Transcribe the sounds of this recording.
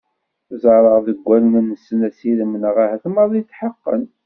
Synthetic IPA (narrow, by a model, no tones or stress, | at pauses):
zɑɾˤəʁðəɡʷːælənənːəsːənæsiðəmːənəʁæhæθməɾˤðit͡sːħəqːə̰n